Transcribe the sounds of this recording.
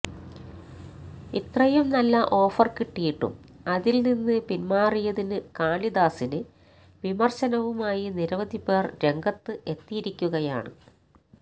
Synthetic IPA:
it̪rɐjɐmnɐlːɐʔo̞ːfɐrkiʈːijiʈːṵmɐðilninːɨpinmaːrijɐðinɨkaːlid̪aːsinɨ | ʋimɐrɕɐnɐʋumaːjiniɾɐʋɐd̪ʱipeːrɾe̞ŋɡɐt̪ːɨʔe̞t̪ːijiɾikʲːuɣɐja̰ːɳɨ̰

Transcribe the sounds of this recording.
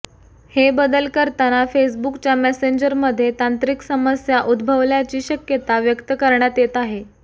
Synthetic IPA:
hebəd̪əlkəɾt̪anafesbukt͡ɕjamɛseɲd͡ʑəɾməd̪ʱːjet̪ant̪ɾiksəməsjaʔud̪bʱəʋljat͡ɕiːɕəkjət̪aʋjəkt̪əkəɾɳjat̪jet̪aɦe

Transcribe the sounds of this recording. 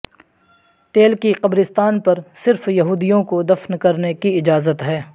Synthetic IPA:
t̪eːlkiqɐbɾɪst̪aːnpɐɾsɪɾfjɐɦuːd̪ijõkod̪ɐfnkɐɾnekiɪd͡ʒaːzət̪ɦɛː

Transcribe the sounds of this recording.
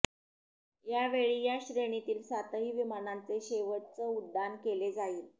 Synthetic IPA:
jaʋeɭiːjaɕɾeɳ̃it̪iːlsat̪əɦiːʋimanant͡seɕeʋəʈ̚t͡səud̪ːankeled͡zaiːl

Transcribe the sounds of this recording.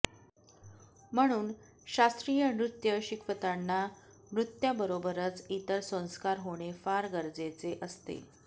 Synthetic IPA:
m̤əɽ̃uːn | ɕast̪ɾijənɾut̪jəɕikʰʋət̪anːa | nɾut̪jabəɾobəɾət͡sit̪əɾsə̃w̃skaɾɦoɽ̃efaɾɡəɾd͡zet͡seʔəst̪ḛ

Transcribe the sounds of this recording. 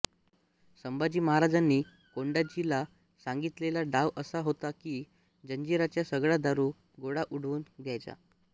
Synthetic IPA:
səmbad͡ʑiːməɦaɾad͡zanːiː | koɳɖad͡ʑila | saŋɡit̪lelaɖaʋəsaɦot̪akiː | d͡ʑəɲd͡ʑiɾat͡ɕjasəɡɭad̪aɾuː | ɡoɽaʔuɽʋuːnɡ̪ʱjajt͡sa̰

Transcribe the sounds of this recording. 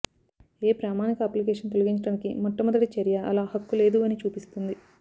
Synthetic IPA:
eːpɾaːmaːnikɐɐːplikeːʂɐnt̪o̞luɡiɲt͡ʃɐɽaːnikimɔʈːɐmɐd̪ɐʈit͡ʃɐɾijɐʔɐlaːhɐkːule̞ːd̪uɐnit͡ʃuːpist̪und̪i

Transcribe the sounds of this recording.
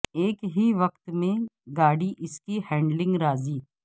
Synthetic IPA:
eːkɦiʋɐkt̪mẽɡaːɽiʔɪskihɛ̃ːɳɖlɪ̃ŋɡɾaːziː

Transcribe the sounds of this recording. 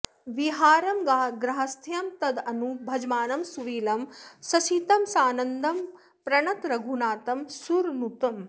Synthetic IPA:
ʋiɦaːɾɐmɡaːɡɾɐɦɐst̪ʰjɐmt̪ɐd̪ɐnubʱɐd͡ʒmaːnɐmsuʋiːlɐmsɐsiːt̪ɐmsaːnɐnd̪ʱɐm | pɾɐɳɐt̪ɾɐɡʱunaːt̪ɐmsuɾnut̪ɐm

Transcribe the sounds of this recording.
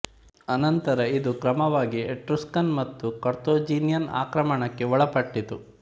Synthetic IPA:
ɐnɐnt̪ɐɾɐid̪ukɾɐmɐʋaːɡieʈɾuskɐnmɐt̪ːukɐɾt̪oːd͡ʒiːnjɐna̰ːkɾɐmɐɳɐkːe̞ʋɔɭɐpɐʈːit̪u

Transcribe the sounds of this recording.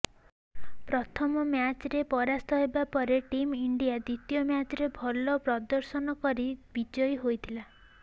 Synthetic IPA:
pɾɔt̪ʰɔmɔmjat͡ʃɾepɔɾast̪ʰɔɦebapɔɾeʈimiɳɖijad̪it̪ijɔmjat͡ʃɔɾebʱɔlɔpɾɔd̪ɔɾsɔnɔkɔɾibid͡ʒɔjɦojt̪ʰila

